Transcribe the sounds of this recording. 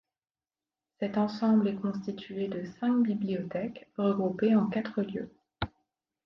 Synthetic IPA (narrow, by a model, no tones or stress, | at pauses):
sɛt̪ɑ̃sɑ̃blɛkɔ̃st̪it̪ʰɥed̪əsɛ̃k̚bibliɔt̪ɛkʁəɡʁupeɑ̃kat̪χəljø̰